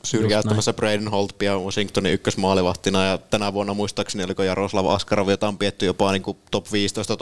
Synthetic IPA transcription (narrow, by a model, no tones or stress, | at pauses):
syrjæˑyt̪ːæmæsːæbreˑidinholt̪piɑʋɑsiŋkt̪oniykːøsmɑːliʋɑht̪ːinɑjɑt̪ænæʋuenːɑmuist̪ɑːkseniolikojɑroslɑʋɑ̰skɑrɑʋijot̪ɑompiet̪ːyjopɑniːŋkut̪opʋiːst̪oˑist̪ɑ